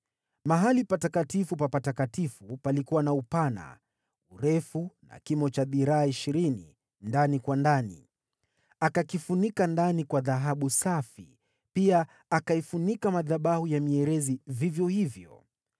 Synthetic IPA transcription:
maɦalipatakatifupapatakatifupalikuwanaupana̰ | uɾɛfuna̰kimɔt͡ʃaðiɾaːiʃiɾini | ndanikwandanḭ | akakifunikandanikwaðaɦaɓusafḭ | piaː | kaifunikamaðaɓahujamiɛɾɛzivivjɔhivjɔ̰

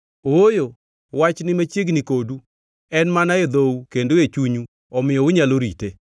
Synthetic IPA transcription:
ojo | wat͡ʃnɪmat͡ʃjeɡnikodu | ɛnmanaed̪oukendoet͡ʃuɲu | ɔmɪjɔʊɲaloɾḭte

